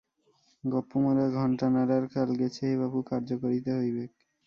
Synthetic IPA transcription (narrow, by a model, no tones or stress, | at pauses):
ɡɔpːomaɾaɡʱɔɳʈanaɾaɾkalɡɛt͡ɕʰeeβabukaɾd͡ʑokoɾit̪eɦojbek̚